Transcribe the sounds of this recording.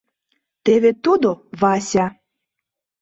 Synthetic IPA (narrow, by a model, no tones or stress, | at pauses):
t̪eβet̪ud̪oβɑsʲɑ